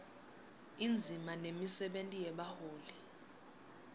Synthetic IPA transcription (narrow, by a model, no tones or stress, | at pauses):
ind͡zʱimanemisɛɓentʼijɛɓahoːlɛ